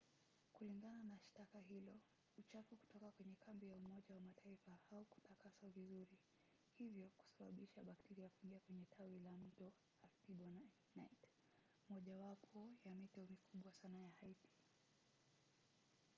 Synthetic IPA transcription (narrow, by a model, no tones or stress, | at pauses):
kuliŋɡananaʃtakaɦilɔ | ut͡ʃafuku̥tɔkakwɛɲɛkʰambijaumɔʄawamataifaauku̥takasavizuɾi | hivjɔku̥saɓa̰ɓiʃaɓaktɛɾiakuiŋɡiakwɛɲɛtʰawilam̩tɔ | atiɓɔn | najt | mɔʄawapʰɔjamitɛɔmikʰuɓwasanajahaiti̥